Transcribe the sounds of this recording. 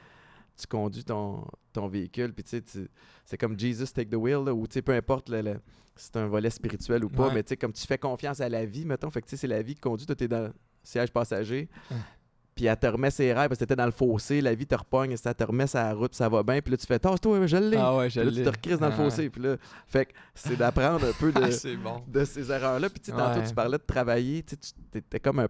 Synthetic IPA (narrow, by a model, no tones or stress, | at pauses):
t͡s̪y̥kɔ̃dzɥit̪ɔ̃t̪ɔ̃veikʲʏlpi̥t͡set͡s̪y | sɛkɔmd͡ʒiːzəst̪eɪk̚d̪əwɪlːɔut͡sepøɛ̃pɔʁt̪lələ | si̥t̪ɛ̃vɔlɛspiʁit͡syɥɛlupɔmɛt͡sekɔmt͡s̪y̥fɛkɔ̃ːfjɑ̃salavimɛt̪ɔ̃fakt͡sesɛlavikʲi̥kɔ̃d͡zɥit̪wat̪ɛd̪ã | sjɛʒpɑːsaʒe | piat̪əʁmɛseʁaɪpaskt̪et̪ɛd̪ãləfoːselavit̪əʁpɔɲsat̪əʁmɛsaʁʊt̪̚pi̥savɔbɛ̃pilʌt͡s̪y̥fɛt̪ɑːst̪waɛʒəlːewɛʒlʌt͡st̪əʁkʁɪzd̪ãləfoːsepilʌfɛksɛd̪apʁɑ̃d̪ʁɛ̃pød̪əebɔ̃d̪əsezɛʁœːʁlʌpi̥t͡set̪ɑ̃t̪ot͡sy̥paʁlɛd̪ət̪ʁavajet͡set̪y̥t̪et̪ɛkɔmɛ̃